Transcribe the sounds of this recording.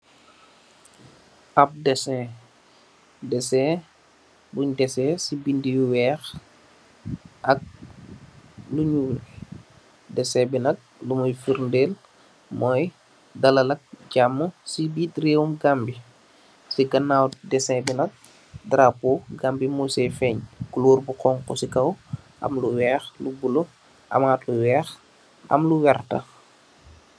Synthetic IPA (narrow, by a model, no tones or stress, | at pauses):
ɐp̚dɛsɛ | dɛsɛ | buɲdɛsɛsibindiwɛːx | ʔɐk̚ | luɲul | dɛsɛbinɐt̚lumɔjfiɾndeːl | mɔːj | dɐlɐlɐk̚ɟamːəsibiːtreːwumɡambi | siɡɐnːaːwdɛsɛbinɐt̚ | dɾapoɡaːmbimujsɛfɛːɲkuloːrbuqɔŋkɔsikɐwʔɐ̰mluwɛːxlubulo | ʔɐ̰maːtluwɛːx | ʔɐ̰mluwɛrtɐ̰